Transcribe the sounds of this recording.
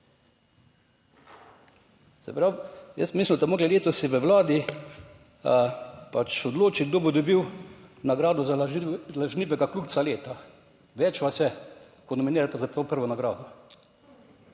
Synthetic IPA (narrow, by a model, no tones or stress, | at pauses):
sɛ̰pɾawjəst̪mislʲind̪amoːɡlileːt̪ɔsiʋəwlaːd̪i | pat͡ʃod̪loːt͡ʃiɡ̚d̪oːbɔd̪obiwnaɡɾaːd̪ɔzalaʒniːʋɛɡakluːk̪saleːt̪a | ʋɛt͡ʃʋasɛ | kɔnɔminiːɾat̪azapopəɾʋɔnaɡɾaːd̪ɔ